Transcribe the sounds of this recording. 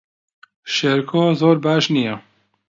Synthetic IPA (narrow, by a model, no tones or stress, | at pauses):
ʃeɾkʰoːzoːɾbaːʃnijɛ